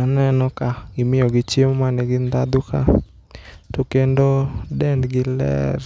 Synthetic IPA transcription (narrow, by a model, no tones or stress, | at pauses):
anɛnɔkaɡɪmɪɔɡɪt͡ʃemmanɛɡɪnd̪ad̪ʊka | tokendodɛndɡɪlɛ̰r